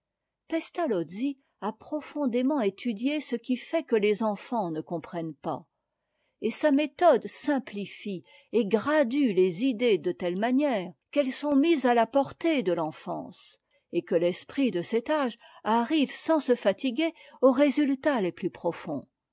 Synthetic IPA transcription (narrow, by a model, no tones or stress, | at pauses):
pɛst̪alɔd̪zi | apχɔfɔ̃d̪emɑ̃et̪ʰyd̪jesəkʲifɛkəlezɑ̃fɑ̃nəkɔ̃pχɛnpa̰ | esamet̪ɔd̪sɛ̃plifi | eɡʁad̪ylezid̪ed̪ət̪ɛlmanjɛːʁkɛlsɔ̃mizalapɔʁt̪ed̪əlɑ̃fɑ̰̃ːs | ekəlɛspχid̪əsɛt̪aʒaʁivsɑ̃səfat̪iɡʲeoʁezylt̪aleplypχɔfɔ̰̃